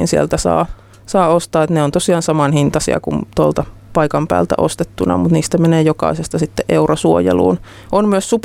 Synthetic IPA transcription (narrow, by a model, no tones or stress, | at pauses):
nsiḛlt̪æsɑ̰ː | sɑːost̪ɑːet̪neont̪osiɑːnsɑmɑnhint̪ɑsḭɑ̰kṵnt̪olt̪ɑ | pɑikɑmpæ̰ːlt̪æ̰ʔost̪et̪ːunɑ̰mut̪niːst̪æmeneːjokɑ̰isest̪ɑsit̪ːeʔʔeurosuojḛlṵːn | ʔonmyøssup